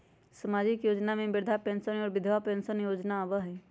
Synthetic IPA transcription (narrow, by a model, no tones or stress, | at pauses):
səmaːd͡ʒɪkjoːd͡ʒnamẽbɪɾd̪ʱapɛ̃ːnsənɔːɾbɪd̪ʱʋapɛ̃ːnsənjoːd͡ʒnaːʋəɦɛː